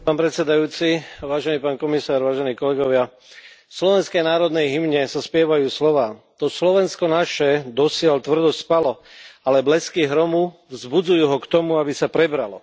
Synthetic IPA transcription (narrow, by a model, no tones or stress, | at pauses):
paːnpɾɛt̪sɛd̪ajuːt͡siʋaːʒɛniːpaːnkɔmisaːɾʋaːʒɛniːkɔlɛɡɔʋɪa | slɔʋɛnskɛjnaːɾɔd̪nɛjɦimɲɛsaspɪɛʋajuːslɔʋaː | t̪ɔslɔʋɛnskɔnaʃɛd̪ɔsɪɛlt̪ʋr̩d̪ɔsspalɔ | alɛblɛskiɦɾɔmuvzbud͡zujuːɦɔkt̪ɔmuabisapɾɛbɾalɔ̰